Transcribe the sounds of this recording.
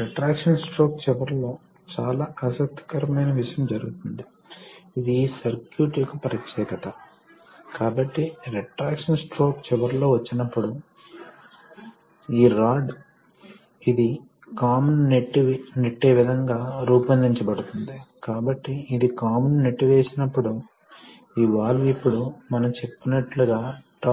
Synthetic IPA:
ɾeʈɾaːkʂɐnsʈɾo̞ːk̚t͡ʃɛʋɐɾlo̞ː | t͡ʃaːlaːʔɐsɐk̚t̪ːi̥kɐɾɐmɐjnɐʋiʂɐjɐmd͡ʒɐɾuɡut̪und̪iː | d̪iːsɐɾkjuːʈikupɐɾɐt̪jɛːkɐt̪ɐ | kaːbɐʈːiɾeʈɾaːkʂɐnsʈɾo̞ːkt͡ʃɛʋɐɾlo̞ːʋɐt͡ʃːinɐpːuɽu | iːɾaːɖ | id̪i | kaːmɐnːeʈːiʋneʈːe̞ːʋid̪ʱɐŋɡaːɾuːpɐnd̪iɲt͡ʃɐbɐɽut̪und̪ikaːbɐʈːiːd̪ikaːmɐnːeʈːiʋeːsinɐpːuɽu | iʋaːɭːuipːuɽumɐnɐmt͡ʃe̞pːinɐʈluɡaːʈa

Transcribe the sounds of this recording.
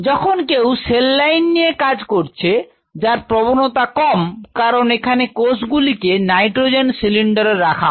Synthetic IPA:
d͡ʑɔkʰonkewselːajnːiekad͡ʑkoɾt͡ɕʰe | d͡ʑaɾpɾobonot̪akɔmkaɾonekʰanekosɡulikenajʈɾod͡ʑensiliɳɖaɾeɾːakʰa̰

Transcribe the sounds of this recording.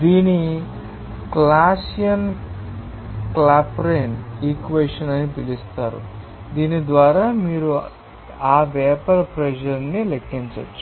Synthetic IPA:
d̪iːni | klaːsijɐn | klaːpɾeːniːkʋeːʂɐnɐnipilist̪aːɾṵ | d̪iːnid̪ʋaːɾaːmiːɾu | aːʋɛːpɐɾpɾed͡ʒɐɾnilekːiɲt͡ʃɐ̰t͡ʃːu

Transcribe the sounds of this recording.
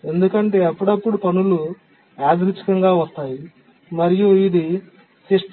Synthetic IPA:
e̞nd̪ukɐɳʈe̞ːɐpːuɽɐpːuɽupɐnulu | aːd̪ɾut͡ʃi̥kɐŋɡaːʋɐst̪aːji | mɐɾijuid̪i | siʂʈ

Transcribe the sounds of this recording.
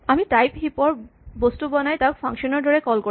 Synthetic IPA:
amitajpɦipɔɹbostubɔnajtaʊk̚pʰaŋkʃɔnɔɹdɔɹɛkɔlko

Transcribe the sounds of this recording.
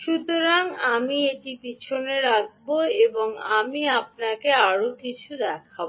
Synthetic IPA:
ʃut̪oɾaŋamieʈipit͡ɕʰoneɾak̚ʰboeboŋamiap̚nakeaɾokit͡ɕʰud̪ɛkʰabo

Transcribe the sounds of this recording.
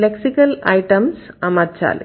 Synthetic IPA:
leksikɐlɐjʈɐmsɐmɐt̚t͡ʃa̰ːl̰

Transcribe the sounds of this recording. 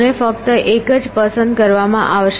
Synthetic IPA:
nefək̚t̪əʔekəd͡ʒpəsə̃nd̪kəɾʋamã̰ʔaʋʃ

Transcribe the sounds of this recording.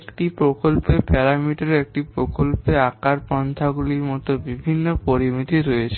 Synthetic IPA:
kʈipɾokolpepɛɾamiʈaɾek̚ʈipɾokolpeakaɾpɔnt̪ʰaɡuliɾmɔt̪obibʱinːopoɾimit̪iɾojet͡ɕʰe

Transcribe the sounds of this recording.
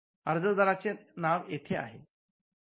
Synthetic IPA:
əɾd͡zəd̪əɾat͡senaʋet̪ʰea̰ɦe

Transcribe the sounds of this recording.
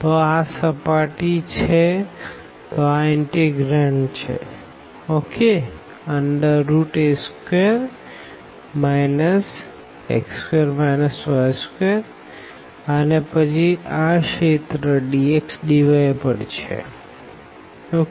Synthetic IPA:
t̪oasəpaʈit͡ʃʰe | t̪oaɪɳʈeɡɾaɳʈt͡ʃʰḛ | oke | əɳɖəːuʈeskeɾ | majnəs | ḛkskeɾmajnəsʋaskeɾ | ənepət͡ʃʰiaʃet̪ɾəɖieksdiʋajpəɳt͡ʃʰḛ | o

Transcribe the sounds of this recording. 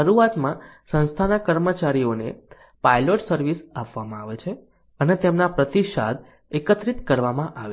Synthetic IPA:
əɾuat̪mãsə̃nst̪ʰanakəɾmət͡ʃaɾionḛ | pajloʈsəɾʋisapʋamãaʋet͡ʃʰe | ənet̪emnapɾət̪iʃa̰d̪ | ekət̪ɾit̪kəɾʋamãʔaʋe

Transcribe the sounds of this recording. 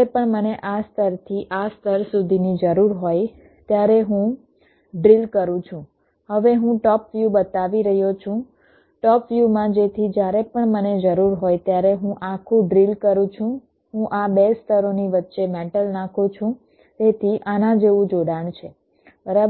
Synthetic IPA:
epəɳməneʔast̪ʰəɾt̪ʰiʔast̪ʰəɾsud̪ʱinid͡ʒəɾuɾɦoj | t̪jaɾeɦũ | ɖɾilkəɾũt͡ʃʰũ | həʋeɦũʈɔpʋjubət̪aʋiɾəɦjot͡ʃʰũ | ʈɔpʋjumãd͡ʒet̪ʰid͡ʒjaɾepəɳməned͡ʒəɾuɾɦojt̪jaɾeɦũʔakʰũɖɾilkəɾũt͡ʃʰũ | ɦũʔabest̪ʰəɾoniʋətːʃemɛʈəlnãkʰũt͡ʃʰũ | t̪et̪ʰiʔanãd͡ʒeʋũd͡ʒoɽaɳt͡ʃʰe | bəɾab

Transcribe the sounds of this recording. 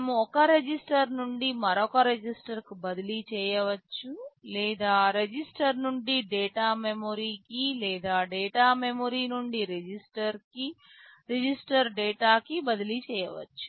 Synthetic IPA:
ɐmuɔkɐɾed͡ʒisʈɐɾnuɳɖimɐɾokɐɾed͡ʒisʈɐɾkibɐd̪ilit͡ʃɛːjɐʋɐt͡ʃːulɛːd̪aːɾed͡ʒisʈɐɾnuɳɖiɖɛːʈaːmemoɾiːkilɛːd̪aːɖeːʈaːmemoɾiːnuɳɖiɾed͡ʒisʈɐɾki | ɾed͡ʒisʈɐɾɖɛːʈaːkibɐd̪ilit͡ʃɛːjɐʋɐ̰t͡ʃːu̥

